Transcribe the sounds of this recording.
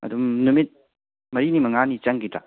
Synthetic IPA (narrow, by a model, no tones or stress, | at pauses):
ɐ̰dumnumit̚ | mɐɾinimɐŋanit͡ʃɐŋɡita̰